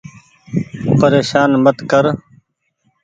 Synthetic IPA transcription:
pəɾeːʃaːnmət̪kəɾ

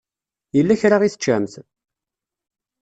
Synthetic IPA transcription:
jəlːæçɾaʁiθə̥t͡ʃːæmθ

